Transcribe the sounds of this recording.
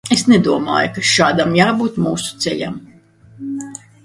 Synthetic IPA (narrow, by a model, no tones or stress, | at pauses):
esnɛd̪uɔma̰ːjukaʃaːd̪amjaːbuːt̪muːsu̥t̪sɛ̰ʎʲa̰m